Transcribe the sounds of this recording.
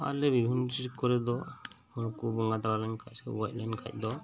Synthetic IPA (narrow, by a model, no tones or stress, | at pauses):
a̰lɛbibʱintiɾkɔɾɛd̪ɔ | ɔɾkubɔŋɡat̪aɾalɛɲkʰac̚sɛwac̚ˀlɛnkʰa̰c̚ˀd̪ɔ